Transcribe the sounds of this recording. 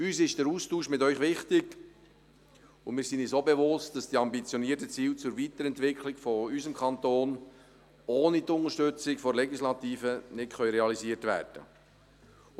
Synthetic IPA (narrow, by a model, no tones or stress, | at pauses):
yːsɪʃd̥əɾuːstuːʃmɪtœʏχʋɪχtɪɡ | ʊmɪːɾsinisobɛʋʊstd̥ɑsd̥iːɑmbit͡sjoniəɾtət͡siːlt͡sʊɾvit̪əɾɛntʋɪkʰlɪkfɔyzəmkχɑnt̪oːn | oːnit̪ʊnəʃtʏt͡sɪkfɔɾlɛɡislɑt̪iːfənɪtχœʏɾɛɑliziətʋæ̰ːrd̥ə̰